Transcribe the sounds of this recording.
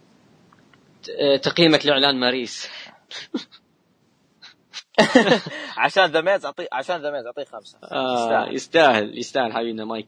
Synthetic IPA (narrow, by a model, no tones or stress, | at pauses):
t̪aqiːmaklɪʕlaːnmaɾiːs | ʕaʃaːnðameːt̪ʊʕt̪ˤiːʕaʃaːnðameːt̪ʊʕt̪ˤiːxamsḁʔajʔɪ̰st̪aːhɪljɪst̪aːhɪlħawiːnamaj